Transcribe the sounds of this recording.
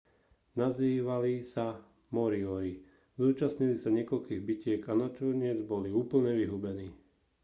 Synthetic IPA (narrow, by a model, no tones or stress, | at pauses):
naziːʋalisa | mɔɾiɔɾi | zuːt͡ʃasɲilisaɲɪɛkɔlkiːɣbicɪɛkanat͡ʃɔɲɪɛd͡zbɔliuːpl̩ɲɛʋiɦubɛniː